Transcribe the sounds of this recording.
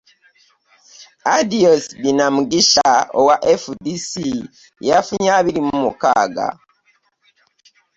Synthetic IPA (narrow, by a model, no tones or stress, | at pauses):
adiosbinamuɡiʃao̰waʔefudisi | jafuɲaβiɾimumuka̰ːɡa̰